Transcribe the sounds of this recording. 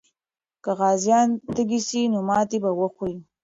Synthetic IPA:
kaɣɑzjɑnt̪əɡisinomɑt̪ebawəxuɾi

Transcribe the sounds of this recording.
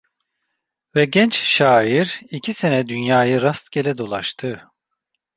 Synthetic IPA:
vɛɟɛnt͡ʃʃaːiɾicʰise̞nɛd̪ynjaːjɯɾast̪ɟe̞lʲɛd̪o̞lˠaʃt̪ʰɯ

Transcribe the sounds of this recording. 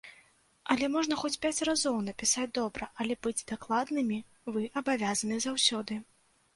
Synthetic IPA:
ɐlʲɛmɔʐnɐxɔt͡sʲpʲat͡sʲrazɔwnɐpʲisad͡zʲd̪ɔbɾɐʔɐlʲɛbɨd͡zʲd̪aklˠad̪nɨmʲi | vɨʔɐbavʲazɐnɨzawsʲɔd̪ɨ

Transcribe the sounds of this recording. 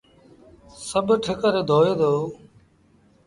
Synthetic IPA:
səbʱʈʰəkəɾed̪ʱoːjeːd̪ʱoː

